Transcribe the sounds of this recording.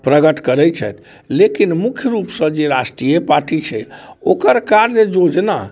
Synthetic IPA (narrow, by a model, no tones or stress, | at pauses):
pɾəɡəʈkəɾɛjt͡ʃʰɛ̰t̪ʰ | lekinmukʰjəɾupsə̃d͡ʒeɾasʈɾijepaɾʈit͡ʃʰɛokəɾkaɾd͡ʒed͡ʒod͡ʒna̰